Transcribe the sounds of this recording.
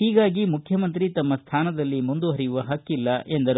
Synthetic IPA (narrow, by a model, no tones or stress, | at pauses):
hiːɡaːɡimukʰjɐmɐnt̪̬ɾit̪ɐmːɐst̪ʰaːnɐd̪ɐlːimund̪uɦɐɾijuʋɐɦɐkːilːɐʔe̞nd̪ɐɾ